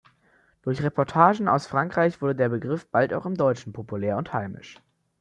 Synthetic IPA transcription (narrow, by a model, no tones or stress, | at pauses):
d̥ʊɐçʁepɔɐtʰaːʒn̩a̰ʊsfʁ̥aŋkʁ̥aɪçv̥ʊɐdədeːɐbəɡʁɪfb̥alta̰ʊxɪmdɔʏt͡ʃn̩pʰopulɛːɐʊnthaɪmɪ̰ʃ